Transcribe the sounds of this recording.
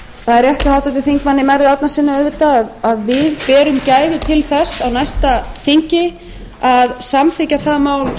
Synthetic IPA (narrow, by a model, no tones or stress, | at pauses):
θaðɛɾjɛht̪ɪhawt̪at̪̬ɪθiŋkmanːɪmajɾðɪat̪nasɪnːaœːvɪt̪aðaðvɪðpɛːɾʏmcaːjvɪt̪ʰɪlθɛsːawnajst̪aθiɲcɪ | aðsamfɪcaθaðmaːwl